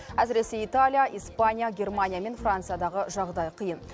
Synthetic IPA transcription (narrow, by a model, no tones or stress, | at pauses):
æsɾe̞se̞ijt̪alʲijaʔijspanʲijaɡʲe̞rmanʲijame̞nfrant̪sɨjad̪ɑʁəʒɑʁd̪ɑjqʰəjən